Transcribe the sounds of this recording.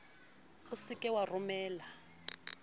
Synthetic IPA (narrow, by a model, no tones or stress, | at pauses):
usikʼɛwarumɛːla